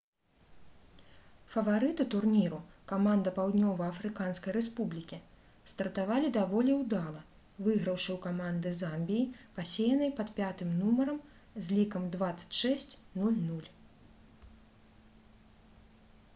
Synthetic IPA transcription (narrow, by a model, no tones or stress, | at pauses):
fɐvaɾɨt̪ut̪urnʲiɾukamand̪ɐpawd̪nʲɔvɐɐfɾɨkanskɐjɾɛspublʲikʲi | st̪ɐrt̪avalʲid̪avɔlʲiwd̪alˠɐ | vɨɣɾɐwʂɨwkamand̪ɨzamʲbʲijipasʲejɐnɐjpɐt̪pʲat̪ɨmnumɐɾɐm | zʲlʲikɐmd̪vat̪sɐ̥t͡sʲʂɛsʲt͡sʲnulʲnulʲ